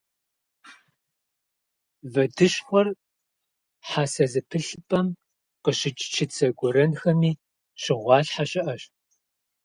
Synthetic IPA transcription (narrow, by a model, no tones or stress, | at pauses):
vɐdɨɕxʷɔr | ħasɐzɨpʰɨɬɨpʼɐm | qəɕɪt͡ʃʼt͡ʃʰɪt͡sʰʼɐɡʷɔɾɐnxɐmiː | ɕɪʁʷɑːɬħaɕʼɪʔɐɕ